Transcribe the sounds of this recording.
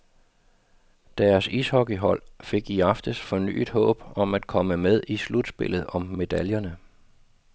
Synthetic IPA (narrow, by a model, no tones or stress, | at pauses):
d̥æɐsishɒ̽ɡ̥iɦɒ̽l̰fe̝ɡ̥iɑ̈fd̥əsfɒ̽ny̰ːd̥hɔ̰̽ːb̥ɒ̽mæd̥̚kʰɒ̽məmeð̞ˠislud̥sb̥e̝lð̞̩ˠɒ̽mːe̝d̥æljɐnə